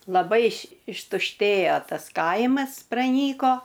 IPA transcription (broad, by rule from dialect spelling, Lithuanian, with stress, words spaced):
lˠɐˈbɐɪ ɪʃ ɪʃtʊʃʲˈtʲeːjoː ˈtɐs ˈkɐɪmɐs prɐˈnʲiːkoː